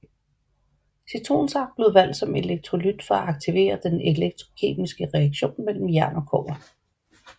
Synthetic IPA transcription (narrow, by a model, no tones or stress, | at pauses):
sit͡sʰʁo̝̰ːnsɑ̥̈b̥le̝ð̩ˠʋæn̰d̥sɒ̽me̝leɡ̥̚t͡sʰʁo̝lyd̥fɒ̽æɑ̈ɡ̥̚t͡sʰiʋe̝̰ːɐd̥ene̝leɡ̥̚t͡sʰʁo̝kʰe̝̰ːmisɡ̥əʁɛɑɡ̥ɕo̝̰ːnmel̰m̩jæɐnɒ̽kʰɔ̰ːbɐ